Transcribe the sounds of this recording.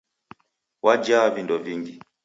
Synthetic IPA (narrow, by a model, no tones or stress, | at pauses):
wʔad͡ʒavindɔviŋɡi